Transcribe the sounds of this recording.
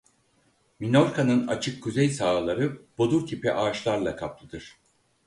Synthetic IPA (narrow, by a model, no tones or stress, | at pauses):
minoɾkʰanɯna̰t͡ʃʰɯkʰːuzɛjsaːlˠaɾɯb̥o̞d̪uɾt̪ʰipɛ̰ʔaːʃlˠaɾlˠakʰap̚lˠɯd̪ɯɾ̥